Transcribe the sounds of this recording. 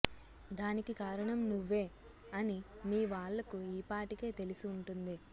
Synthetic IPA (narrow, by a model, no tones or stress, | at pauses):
d̪aːnikikaːɾɐɳɐmnuʋːe̞ː | ɐnimiːʋaːɭːɐkuiːpaːʈike̞ːt̪e̞lisuːɳʈund̪i